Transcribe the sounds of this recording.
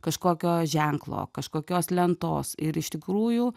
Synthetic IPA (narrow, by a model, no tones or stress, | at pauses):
kɐʃkoːkʲoːʒʲɛŋklˠo̰ːkɐʃkoːkʲoːslʲɛnt̪o̰ːsɪɾɪʃt̪ʲɪkɾuːjʊ